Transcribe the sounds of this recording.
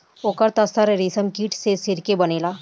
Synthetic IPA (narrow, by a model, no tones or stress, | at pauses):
oːkəɾt̪ɐsəɾɾiːsəmkiːʈsesɪɾkebəneːlaː